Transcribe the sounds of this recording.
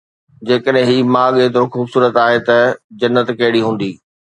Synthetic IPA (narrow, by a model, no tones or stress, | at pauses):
d͡ʑeːkəɗɦɪ̃ɦiːmaːɠeːt̪̬ɾoxuːbsuːɾət̪aːɦet̪ɐd͡ʑɐnːət̪kɐɦɪɽiɦũːn̆d̪iː